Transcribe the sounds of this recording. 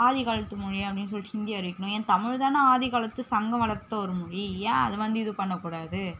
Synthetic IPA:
aːðɪɣaːɭɐt̪ːɯmʊɻiɐpːɐɽɪnːɯs̬ɔlʈ̪iɪnd̪ɪjaːʋɐɾɪkːɐɳʊ̃ẽːnt̪ɐmɪɻt̪aːnɐaːðiɣaːɭɐt̪ːɯsɐŋɡɐmɐɭɐɾt̪ːɐɔɾɯmʊɻijaːɐ̰ðɯʋɐnd̪ɯɪðɯpɐɳːɐkːuːɽaːðɯ

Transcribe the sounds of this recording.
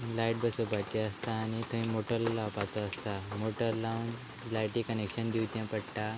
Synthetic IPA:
lajʈ̚bəsobat͡ɕ̪iəst̪aːñit̪ʰə̃ĩmoʈəlːapat̪ɔəst̪amoʈəɾlawn | lajʈikənekɕənd̪iwt̪jãpəɽʈa

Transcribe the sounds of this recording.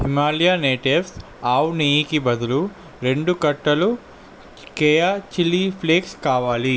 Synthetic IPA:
himaːlijaːneːʈiefs | aːwuniːjikibɐd̪ulu | ɾe̞ɳɖukɐʈːɐlu | keːjat͡ʃilːipʰleːkskaːʋaːli

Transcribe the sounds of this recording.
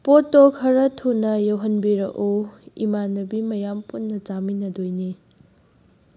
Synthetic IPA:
potːokʰɐɾɐtʰunɐjowɦɐnbiɾɐʔoḭmanɐbimɐjampunːɐt͡ʃaminɐdojni

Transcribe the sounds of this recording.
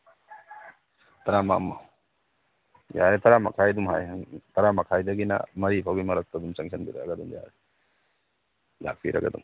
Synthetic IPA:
tɐɾama̰mɐ | jaɾet̪ʰɐɾamɐ̰kʰajdumɦa̰jt̪ʰɐɾamɐkʰajdɐɡinɐ̰mɐɾipʰawɡimɐɾɐk̚tɐdumsɐŋsʰɐnbiɾɐ̰ɡɐduŋja̰ɾe | la̰k̚pʰḭɾɐ̰ɡɐdṵŋ

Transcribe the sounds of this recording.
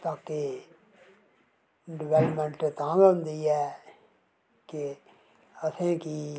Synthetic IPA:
t̪aːke | ɖɪʋɛːləpmɛ̃ɳʈt̪ãːɡʊ̃nd̪iːɛː | ke | əsẽːkiː

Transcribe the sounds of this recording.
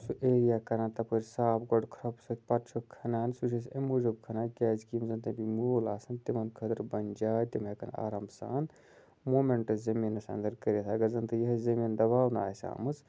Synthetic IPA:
suʔeːɾijaːkɐɾaːnt̪ɐpʰoɾʲsaːpɡoɖkʰɾɐpsɐt̪̚ʰʲpɐt͡ʃʰokʰɐnaːnsut͡ʃʰisemud͡ʒubkʰɐnaːnkʲɛːzkiːmzɐnt̪ɐ̃bimuːlaːsɐnt̪imɐnkʰɐd̪ɐɾbɐnd͡ʒaːt̪imɐkɐna̰ːɾɐmbsa̰ːn | moːmeɳʈɐzɐminːɐsɐ̰nd̪ɐɾkɐɾet̪ʰaɐɡɐɾzɐnt̪ɨjɐɦzɐmind̪ɐβaːwna̰ːsa̰ːmɨt͡s

